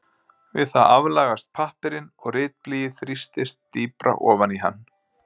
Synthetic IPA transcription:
vɪðθaðavlaːɣast̪̚pʰahpɪɾɪnɔɣrɪːt̪̚pliːjɪθɾist̪ɪst̪ːiːpɾa̰ʔɔːvaniɦa̰nː

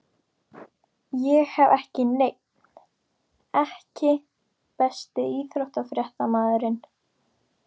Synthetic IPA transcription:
jɛɣhɛvɛhcɪnejk | n | ɛhcɪ | pɛst̪ɪiːθɾowht̪afɾjɛht̪amaːðʏɾɪn

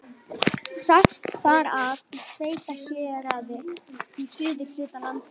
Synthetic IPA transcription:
sast̪faɾavsveːjt̪açɛːɾaːðɪisʏːðɪl̥ʏːt̪alant̪

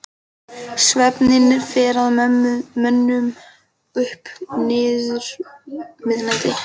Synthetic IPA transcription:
svɛpnɪnɪfɛːɾaðmœnːʏm | ʏhpnɪːðʏɾ | mɪðnat̪ɪ

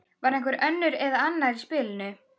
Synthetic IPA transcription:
vaɾɛjŋkvɛɾœnːʏɾɛðaanːaɾispɪːlɪnʏ

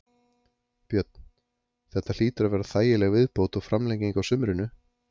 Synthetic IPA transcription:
pjœt̪n̥ | θɛht̪ːal̥iːt̪ɾavɛɾaθaːjɪlɛɣvɪðpoːwt̪ɔɣfɾamlejciŋkawsʏmɾɪnʏ

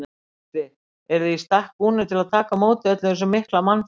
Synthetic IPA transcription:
t̪ɪ | ɛɾðɪist̪ahkuːnɪt̪ʰɪlaðt̪ʰaːkamoːwt̪ɪœt̪lɪɛs̬ʏmɪhklaman

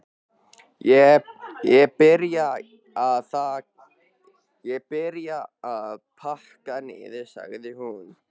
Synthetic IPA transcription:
jɛjɛpɪɾja | aðθa | jɛpɪɾjaaðpʰar̥kanɪ̰ðɪsa̰ɣðɪhun

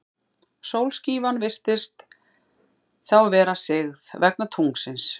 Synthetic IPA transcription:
sowlsciːvanvɪr̥t̪ɪst̪ | θawvɛːɾasɪɣðvɛk̚nat̪ʰuŋksɪns

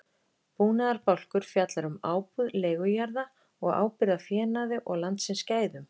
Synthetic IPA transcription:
puːnaðaɾpawl̥kʏɾ̥fjat̪laɾʏmaːwpuðlɛːjɣʏjaɾða | ɔɣa̰ːwpɪɾðafjɛːnaðɪʔɔɣlant̪sɪnscaːjðʏm

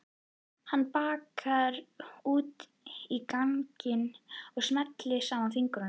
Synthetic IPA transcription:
hanːpaːkaɾuːt̪ | ikaŋcɪnɔɣsmɛt̪lɪsaːmanfiŋkɾʏn

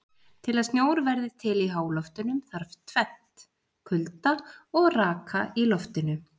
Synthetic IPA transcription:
t̪ʰɪlaðst̪njoːwɾvɛɾðɪt̪ʰɪliɦaːwlɔft̪ʏnʏmθaɾ̥vt̪ʰvɛt̪ | kʰʏlt̪aɔɣraːkʰailɔft̪ɪnʏ

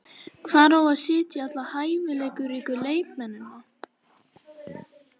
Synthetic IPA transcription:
kʰvaːɾawaðsɪːt̪jɪat̪lahaːjvɪlɛːkʏɾiːkʏleːjkmɛnːʏmna

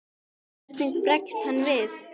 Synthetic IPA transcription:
ɛɾ̥t̪nɪkpɾɛkst̪hanːvɪθ

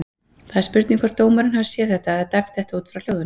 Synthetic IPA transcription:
θaðɪɾspʏɾt̪niŋkvaɾt̪oːwmaɾɪnɦavɪ̥sjɛːðθɛht̪aðɛt̪ajm̥t̪θɛht̪auːt̪fɾawl̥owðʏn

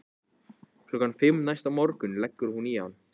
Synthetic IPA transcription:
kʰlɔkanfɪmnajst̪amɔɾkʏnlɛkːʏɾhuniːawn

